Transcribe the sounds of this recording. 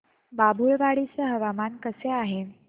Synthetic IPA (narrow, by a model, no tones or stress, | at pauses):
babʱuɭʋaɽit͡səɦəʋamankəseaɦe